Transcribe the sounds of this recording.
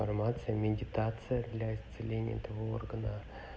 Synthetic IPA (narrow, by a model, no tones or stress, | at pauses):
armat̪sɨjəmʲɪdʲɪt̪at̪sɨjəd̪lʲaist̪sɨlʲenʲɪjə̰t̪ɐvoo̰rɡənə